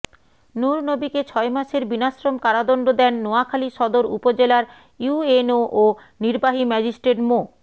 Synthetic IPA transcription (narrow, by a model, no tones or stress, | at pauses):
nuɾnobiket͡ɕʰɔemaʃeɾbinaʃɾomkaɾad̪ɔɳɖod̪ɛnːoakʰaliʃɔd̪oɾṵpod͡ʑelaɾ | juenoʔo | niɾbaɦimɛd͡ʑisʈɾeʈmo